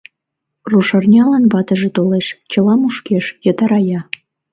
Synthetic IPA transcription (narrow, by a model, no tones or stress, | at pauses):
ruʃɑrnʲɑlɑnβɑt̪ə̆ʒet̪oleʃt͡ɕə̆lɑmuʃkeʃjət̪ɑɾɑjɑ